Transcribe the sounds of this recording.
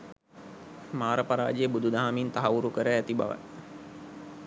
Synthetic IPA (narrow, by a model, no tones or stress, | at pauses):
maːɾəpaɾa̰ːd͡ʒijəbud̪ud̪aɦamint̪aɦauɾukəɾəæt̪iba̰ʋə̰